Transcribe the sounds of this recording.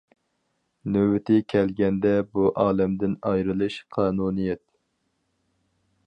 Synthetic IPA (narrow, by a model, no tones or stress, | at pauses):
nøwɪt̪ʰɪkʲʰɛlɡʲɛnd̪ɛbuʔɑːlɛmd̪ɪnɑjɾɨlˠɨʃqʰɑːnunijɛt̪̚